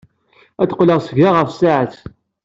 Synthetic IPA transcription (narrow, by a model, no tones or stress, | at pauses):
æt̪ə̥qːləʁsəɡaʁəfsaʕət͡s